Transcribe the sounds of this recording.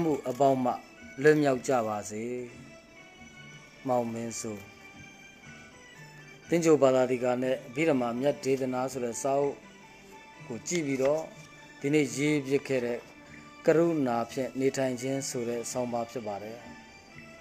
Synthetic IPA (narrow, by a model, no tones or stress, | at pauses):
m̥ṵʔəp̬ãʊ̃m̥a̰ | lʊ̃mjaʊt͡ɕä̰baze | mãʊ̃mɪ̃nso | t̪ɪ̃ɲd͡ʑobad̪ad̪ðiɡanɛ̰ʔbḭɾəmamjatet̪ənasʰoɾɛsaʔo̰ʔ | kot͡ɕḭpidɔ | d̥inḛjebjɪkʰːɛ̰ɾɛ̰ | kəɾṵnapʰjɪ̰̃netʰãɪ̃ɲd͡ʑɪ̃nsoɾɛsãʊ̃mbapʰjɪpːadɛ